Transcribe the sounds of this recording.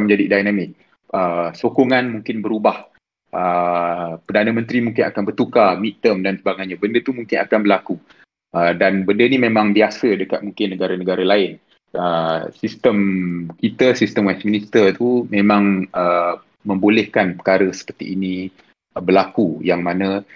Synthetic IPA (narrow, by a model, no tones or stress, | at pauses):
mə̃ɲd͡ʒadidajnamɪk̚ | əsokoŋanmũŋkɪnbəɾubah | ʔə | pərdanəmə̃nt̪ɾimũŋkɪnakanbərt̪ukamit̪əmdansəbaɡaɲabəndət̪umũŋkɪna̰kanbərlaku | ʔədanbəndənimẽmãŋbiasədəkat̪̚muŋkɪnːəɡaɾanəɡaɾalaɪn | əsist̪əmkit̪əsist̪əmwɛsminist̪ərt̪umẽmãŋə | mə̃mbolɛhkanpə̥kaɾəsə̥pərt̪ḭʔːnĩ | bərlakujaŋmanə